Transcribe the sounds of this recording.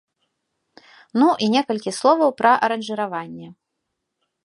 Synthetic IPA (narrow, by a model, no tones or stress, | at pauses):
nuʔinʲɛkɐlʲkʲislˠɔvɐwpɾɐʔɐɾɐnʐɨɾavanʲːɛ